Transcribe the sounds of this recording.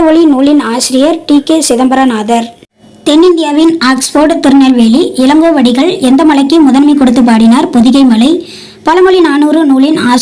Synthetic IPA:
ɔɭinuːlɪnaːsɪɾɪjɐɾʈiːkeːsɪðɐmbɐɾɐnaːðɐɾ | t̪ɛnːɪnd̪ɪjaːʋɪnaːksfoːɾʈt̪ɪɾɯnɐlʋeːliʔɪlɐŋɡoːʋɐɽɪɣɐɭɛnd̪ɐmɐɭɐɪkːɯmʊðɐnmɐɪkːɔɽɯt̪ːɯp̬ːaːɽɪnaːɾpɔðɪɣɐɪmɐlɐɪ | pɐlɐmɔɭinaːnuːrɯnuːɭɪnaː

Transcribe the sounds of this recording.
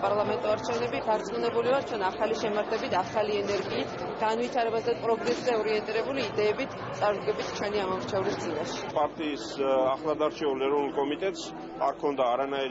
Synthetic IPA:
pʼaɾlˠamɛnt̪ʼɔaɾt͡ʃʰɛvnɛbid̪aɾt̪sʼmunɛbulivaɾt̪t͡ʃʰwɛnaχaliʃɛmaɾt̪ʰɛbit̪ʰaχaliɛnɛɾɡiːt̪ʰ | ɡ̥anvit̪ʰaɾɛbazɛpʼɾɔɡɾɛszɛɔɾiɛnt̪ʼiɾɛbuliːd̪ɛːbit̪ʰsʼaɾud̪ɡɛbit̪ʰt͡ʃʰwɛniamɔmɾt͡ʃʰɛvɾisd̪zinaʃi̥pʼaɾt̪ʼiːsaχlˠad̪aɾt͡ʃʰɛulɛɾɔvnulˠkʼɔmit̪ʼɛt̪ʼs | aɾkʰɔnd̪aːɾanaiɾ

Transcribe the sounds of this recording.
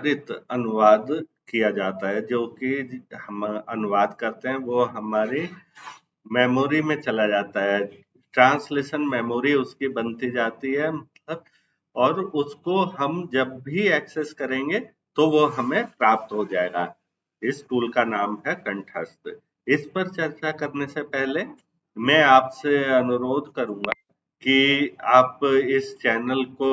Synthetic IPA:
ɾɪt̪ɐnʊʋaːd̪kijad͡ʒaːt̪aɦɛd͡ʒõːkihɐmɐnʊʋaːd̪kɐɾt̪eɦɛ̃ʋoɦɐmaːɾe | mɛːmoːɾimẽt͡ʃɐlad͡ʒaːt̪aɦɛ | ʈɾãːnsleːʃənmɛːmoːɾiʊskibɐnt̪id͡ʒaːt̪iɦɛmɐt̪ləb̚ | ɔːɾʊskoɦɐmd͡ʒɐbːʱiɛːkseskɐɾẽːŋɡe | t̪oʋoɦɐmẽpɾaːp̚t̪ɦod͡ʒaːeːɡa̰ː | ɪskuːlkanaːmɦɛkɐ̃ɳʈʰɾə̰sʈ̪ | ɪspɐɾt͡ʃɐɾt͡ʃakɐɾnesepɛɦle | mɛ̃aːpseɐnʊɾoːd̪ʱkɐɾũːŋɡa | kiaːpɪst͡ʃɛːnəlko

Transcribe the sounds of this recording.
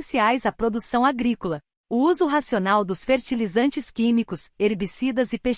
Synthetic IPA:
siajzɐpɾod̪usɐ̃w̃aɡɾikolɐ | ʊuzʊɦasionawd̪ʊsfeɾt͡ʃilizɐ̃nt͡ʃɪskĩmikʊseɾbisid̪ɐzɪpeʃ

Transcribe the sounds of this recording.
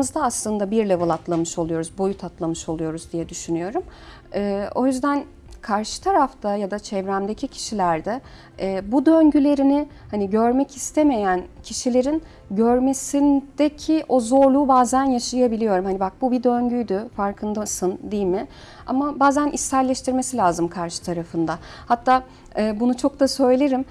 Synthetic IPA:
mɯzd̪aːslˠɯnd̪abiɾlʲɛvɯlˠat̪ʰlˠamɯʃo̞lˠujo̞ɾuzbo̞jut̪ʰat̪lˠamɯʃo̞lˠujo̞ɾuzd̪ijɛd̪yʃynyjo̞ɾum | ɛːo̞̰jyzd̪æn | kʰaɾʃɯ̥t̪ʰaɾaft̪ʰajad̪at͡ʃʰɛvɾæmd̪e̞cʰicʰi̥ʃilʲæɾd̪ɛː | bud̪øɲɟylʲe̞ɾinɪ | haniɟø̞ɾmɛcʰist̪ʰe̞me̞jæncʰiʃilʲe̞ɾin | ɟøɾme̞sind̪̥ecʰiʔo̞zo̞ɾlˠuːbaːzænjaʃajabilʲijo̞ɾumhanibak̚bubid̪ø̞ɲɟyjd̪yfaɾkʰɯnd̪asɯnd̪ijlʲmɪ | amabaːzænʔisːæɾlʲɛʃt̪ʰiɾme̞silʲaːzɯmkʰaɾʃɯ̥t̪ʰaɾafɯnd̪a | hat̪ʰːaː | ɛːbunut͡ʃʰo̞k̚t̪asø̞jlʲe̞ɾim

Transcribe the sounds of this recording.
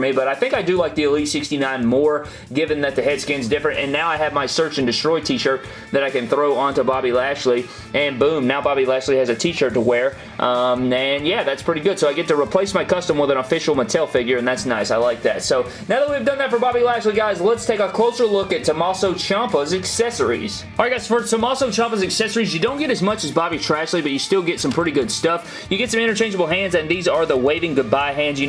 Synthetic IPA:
mibʌɾaɪθɪ̃ŋkaɪdɨlaɪk̚ðiɨlitsɪkstinãɪ̃nmɔɹ | ɡɪvɨ̃nðɨt̪̚ðɨɦɛd̥skɪ̃nzdɪfɹɨ̃ntɨ̰̃nːaʊaɪɨvmaɪsɜ˞t͡ʃɨ̃n̩dɨstɹ̥ɔɪtʰiʃə˞t̪̚ | ðɨɾaɪkɨ̃nθɹoʊə̃ntəbɑbilæʃli | ʔɨ̃nbũmnaʊbɑbilæʃliɨzɨtʰiʃə˞təwɛɹ | ʔʌ̃mɨ̃njæðætspʰɹ̥ɪɾiɡʊd̥soʊaɪɡɛtɨɹipʰl̥eɪsmaɪkʰʌstə̃mwəðə̃nəfɪʃl̩ˠmətʰɛlˠfɪɡjə˞ɨ̃nðætsnaɪsaɪlaɪk̚ðæ̰tsoʊ | naʊðət̚wiɨvdʌ̃nðɨtfə˞bɑbilæsliɡaɪzlətstʰeɪkəkʰl̥oʊsə˞lʊkɨtʰɨmɑsoʊt͡ʃʰɑ̃mpəzɨksɛsə̰˞ḭz̥ | ɹaɪɡaɪz̥fə˞somɑsoʊt͡ʃʰɑ̃mpəzɨksɛsə˞izjɨdõʊ̃nɡ̥ɛɾɨzmʌt͡ʃɨzbɑbitʰɹ̥æslibʌt͡ʃɨstɪlˠɡɛtsʌ̃mpʰɹ̥ɪɾiɡʊd̥stʌf | jɨɡɛtsʌ̃mɪ̃ɾ̃ə˞t͡ʃʰẽɪ̃nd͡ʒəbl̩ˠɦæ̃ndzɨ̃nðizə˞ðəweɪvɪ̃ŋɡʊd̚baɪɦæ̃ndzjɨ

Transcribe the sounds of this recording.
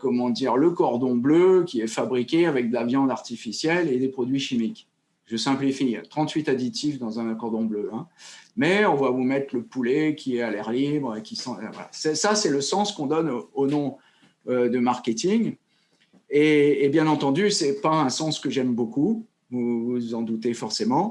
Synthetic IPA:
kɔmɑ̃d̪iʁləkɔʁd̪ɔ̃bløkʲiɛfabʁikʲeavɛk̚d̪əlavjɑ̃d̪aʁt̪ifisjɛled̪epχɔd̪ɥiʃimik | ʒ̥əsɛ̃plifḭt̪χɑ̃t̪ɥit̪ad̪it̪ʰifd̪ɑ̃zɛ̃nkɔʁd̪ɔ̃bløɛ̃mɛɔ̃vavumɛt̪χləpulɛkʲʰiɛalɛʁlibʁekʲisɑ̃vwa̰la̰sɛsasɛləsɑ̃skɔ̃d̪ɔnonɔ̃ | ød̪əmaʁkʲet̪iŋ | eːbjɛ̃nɑ̃t̪ɑ̃d̪ysɛpaɛ̃sɑ̃skəʒɛmboku | vuvuzɑ̃d̪ut̪efɔʁsemɑ̃

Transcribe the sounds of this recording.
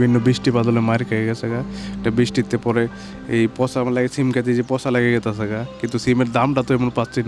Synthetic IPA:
bʱinːobisʈipad̪ɔlemaɾkaɡɛɡɛsʰɛɡaeʈabisʈit̪ːepɔɾe | ejpɔsamalaɡesimkɛt̪id͡ʑepɔsalaɡɛɡɛt̪asɛɡakint̪usimeɾd̪amʈat̪oɛmonpast͡ʃi

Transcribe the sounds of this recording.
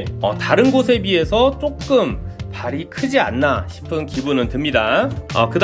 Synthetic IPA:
ʌtaɾɯnɡosʰe̞bie̞sʰʌt͡ɕ͈ok̚k͈ɯmpaɾikʰɯd͡ʑia̰nːaɕʰi̥pʰɯnkibunɯntɯmɲidaʌ̰kɯd

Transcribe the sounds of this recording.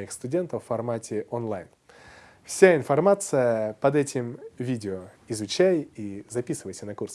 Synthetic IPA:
ixst̪ʊdʲe̞nt̪əfːɐrmatʲɪʔonlˠajn | fsʲaɪnfɐrmat̪sɨjəpɐd̪ɛtʲɪmvʲidʲɪo | ɪzʊt͡ɕæjizɐpʲisɨvəjsʲənɐkurs

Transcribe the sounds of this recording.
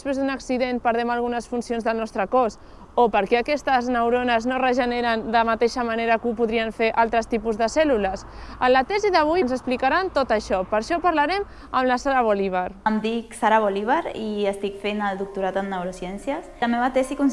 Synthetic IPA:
spɾezðunəksiðen̚pəɾðɛməlˠɣ̞unəsfunsionzðəlˠnɔst̪ɾəkɔs | opəɾkɛəkɛst̪əznəwɾonəznorəʒəneɾənd̪əmat̪eʃəmaneɾəkupuðɾiəɱfeʔalˠt̪ɾəst̪ipuzðəsɛluləs | ənlət̪ɛziðəβ̞ujnzəsplikaɾant̪ot̪əʃɔpəɾʃɔpəɾlaɾɛm | əmləsaɾaβoliβ̞aɾmd̪iksaɾaβoliβaɾiəst̪ikfenəld̪uk̚t̪uɾat̪ənːəwɾosjɛnsjəsəmeβat̪ɛsikun

